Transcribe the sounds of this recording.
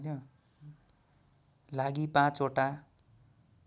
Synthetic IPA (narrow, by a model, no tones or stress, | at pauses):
nʌ | laɡipãt͡soʈa